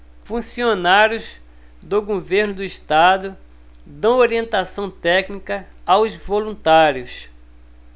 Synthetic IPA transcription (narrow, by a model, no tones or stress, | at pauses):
fũsionaɾjʊz | d̪ʊɡoveɾnʊd̪ʊiʃt̪ad̪ʊ | d̪ɐ̃w̃oɾiẽnt̪asɐ̃w̃t̪ɛknikɐawzvolũnt̪aɾjʊs